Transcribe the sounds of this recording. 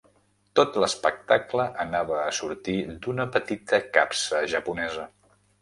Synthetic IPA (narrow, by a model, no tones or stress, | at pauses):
t̪ot̪ləspək̚t̪akləʔənaβəːsuɾt̪id̪unəpət̪it̪əka̰psəʒəpunɛzə